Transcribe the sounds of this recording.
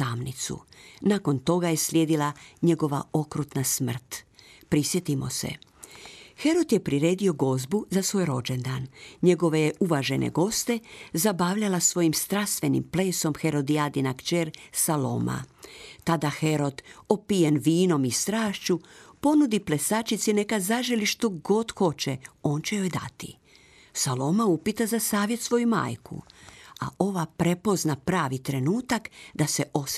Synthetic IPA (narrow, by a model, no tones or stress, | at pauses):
amnit̪sṵnaːko̞nt̪o̞ɡaje̞slʲjeːd̪ilaɲe̞ɡo̞ʋa̰o̞kɾut̪nasmr̩t̪ | pɾisje̞t̪imo̞̰sḛ | xe̞ɾo̞d̪je̞pɾiɾe̞ːd̪io̞ɡo̞zbuzasʋo̞ːjɾo̞d͡ʒend̪anɲe̞ɡo̞ʋejeʔuʋaʒe̞nʔḛɡo̞st̪ezabaːʋʎalasʋo̞jimst̪ɾast̪ʋe̞nḭmple̞ːso̞mxe̞ɾo̞d̪iad̪inakt͡ʃeːɾsalo̞̰ma̰t̪ad̪axeɾo̞d̪opijenʋiːno̞mist̪ɾaːʃt͡ɕupo̞nud̪iplesat͡ʃit̪sine̞kazaʒeliʃt̪o̞ɡo̞d̪xo̞t͡ɕeo̞ːnt͡ɕejojd̪a̰t̪ḭ | salo̞maupit̪azasaːʋje̞t̪sʋo̞juma̰ːjkṵa̰ʔo̞ʋapɾe̞po̞znapɾaːʋit̪ɾe̞nuːt̪akd̪aseʔo̞